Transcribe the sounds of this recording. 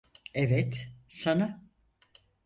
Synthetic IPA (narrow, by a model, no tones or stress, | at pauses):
evɛt̪sana